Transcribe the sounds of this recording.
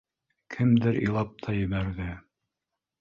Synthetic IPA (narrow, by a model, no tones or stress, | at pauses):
kʰɘmd̪ɘɾḭlˠɑp̚t̪ʰɑjɘ̆βæɾðɘ